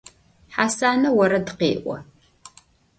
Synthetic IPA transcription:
ħasaːnɐwɐɾɐdqḛːʔʷɔ̰

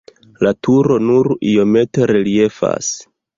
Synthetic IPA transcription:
latʰuɾo̞nuɾio̞me̞te̞ɾelie̞fa̰s

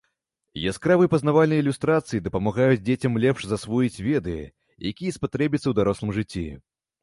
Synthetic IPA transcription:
jaskɾavɨpɐznavalʲnɐjilʲust̪ɾat̪sɨjid̪ɐpɐmaɣajut͡sʲd͡zʲet͡sʲɐmlʲɛpʂzasvujit͡sʲvʲɛd̪ɨjɛ̰ | jakʲijɐspat̪ɾɛbʲit̪sːɐwd̪aɾɔslˠɨmʐɨt͡sʲːi

